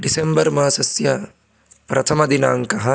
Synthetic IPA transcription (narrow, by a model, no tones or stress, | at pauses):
ɖisembɐɾmɐɐsɐsjɐ | pɾɐt̪ʰɐmɐd̪ina̰ːŋkɐɦɐ